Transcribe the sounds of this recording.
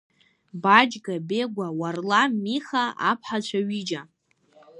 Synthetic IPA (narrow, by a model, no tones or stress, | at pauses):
bad͡ʒɡabeɡʷawarlamiχaapʰħat͡ʃʷʰaɥid͡ʒa